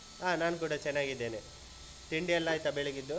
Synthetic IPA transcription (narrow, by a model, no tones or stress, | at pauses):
aːnaːnkuːɽɐt͡ʃɛnːaːɡid̪ːe̞ːne | t̪iɳɖijɐlːaːjt̪ɐbeɭeɡid̪ːu